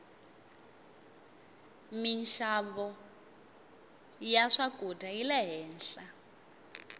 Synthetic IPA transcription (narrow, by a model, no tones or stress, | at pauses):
minʃaβɔ | jaʂakʼutʼailɛɦɛːnɬa